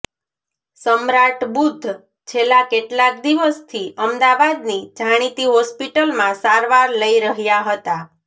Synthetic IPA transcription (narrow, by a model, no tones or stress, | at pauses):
səmɾaʈbud̪ʱː | t͡ʃʰelːakeʈlak̚d̪iʋəst̪ʰiʔəmd̪aʋad̪nid͡ʒʱaɽ̃it̪iɦɔspiʈəlmãsaɾʋaɾləiɾəɦjaɦət̪a